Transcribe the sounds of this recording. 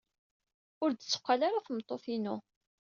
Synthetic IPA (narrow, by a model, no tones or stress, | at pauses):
ʊɾd̪t͡sːʊ̥qʷːalaɾaθmt̪ˤːofinu